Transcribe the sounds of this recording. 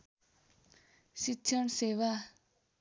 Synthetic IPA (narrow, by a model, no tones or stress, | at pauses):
ɕit͡ɕʰansewa